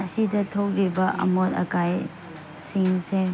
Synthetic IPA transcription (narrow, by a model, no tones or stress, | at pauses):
ɐsidɐtʰokɾibɐʔɐ̰moɾɐ̰kaj | siŋse